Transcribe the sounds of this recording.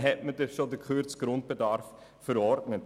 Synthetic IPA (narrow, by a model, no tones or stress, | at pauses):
ɦɛtmədəχʃodəkχyɾt͡sɡ̥ɾʊnt̚b̥ədɑɾfː | əɾɔɾtnət